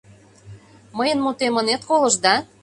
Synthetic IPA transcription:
məjə̆nmut̪emə̆net̪kolɤ̆ʒd̪ɑ

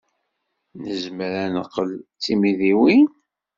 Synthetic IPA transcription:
nəzməɾænəqːəlt͡sːimiðiwin

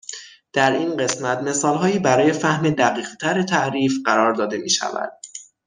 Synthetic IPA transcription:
d̪̥æɾiːnɢe̞smæt̪me̞sɒːlɦɒːiːbæɾɒːje̞fæhmed̪æɣiːɣt̪ʰæɾet̪ʰæʔɾiːfɢæɾɒːɾd̪ɒːd̪e̞mḭːʃæ̰væ̰d̪̥

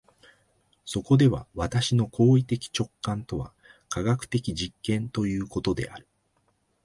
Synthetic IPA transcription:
so̞ko̞d̪e̞βa̰βat̪aɕino̞kʰo̞ːit̪e̞kʲi̥t͡ɕo̞kːãnt̪o̞βa̰ | kaɡakɯ̟̥t̪e̞kʲiʑikːẽ̞nt̪o̞jɯ̟ːko̞t̪o̞d̪e̞̰ʔa̰ɾɯ̟̥

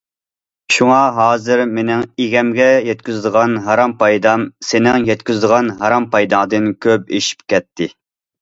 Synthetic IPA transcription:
ʃuŋɑɦɑːzɨɾmenɪŋeɡʲɛmɡʲɛjɛt̪̚kʲyzd̪əʁɑnɦɑɾɑmpʰɑjd̪ɑmsenɪŋjɛt̪kʲyzd̪əʁɑnɦɑɾɑmpʰɑjd̪ɑŋd̪ɨnkʲʰøp̚eʃi̥p̚kʲʰɛt̪ʰːɪ

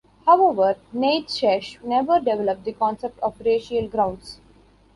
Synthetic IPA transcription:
haʊeʋəɾneːʈʃɛʃnɛʋəɾɖeʋɛləp̚d̪ikɔ̃ːnsep̚ʈɔʋɾeːʃiəlɡɾãʊ̃ɳɖs

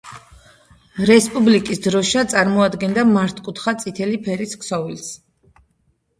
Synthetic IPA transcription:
ɾɛspʼublikʼisd̪ɾɔʃat̪sʼaɾmɔad̪ɡɛnd̪amaɾt̪ʰkʼut̪ʰχat̪sʼit̪ʰɛlipʰɛɾiskʰsɔvils

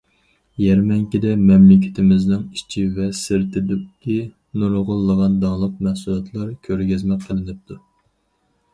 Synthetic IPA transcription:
jɛɾmɛŋkʲid̪ɛmɛmlɪkʲʰɪ̥t̪ʰɪmɪznɪŋi̥t͡ʃʰivɛsɪɾt̪ʰɪd̪ukʲʰːi | nuɾʁʊlˠːəʁɑnd̪ɑŋlˠəq̚mɛhsulˠɑt̪ʰlˠɑɾkʲʰøɾɡʲɛzmɛqʰːəlˠɪnɪp̚t̪ʰu

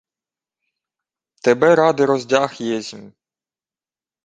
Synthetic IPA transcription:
t̪ebɛɾɑd̪ɪɾɔzʲdʲɑxjɛzʲmʲ

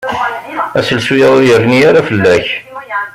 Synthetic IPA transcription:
æsəlsujæðˤʊjəɾniaɾafəlːæç

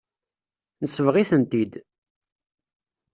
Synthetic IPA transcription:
nəsːəvʁiθənt̪id̪

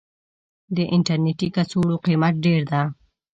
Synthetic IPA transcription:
d̪əʔɪnʈaɾneʈikasoɽoqimat̪̚ɖeɾd̪a

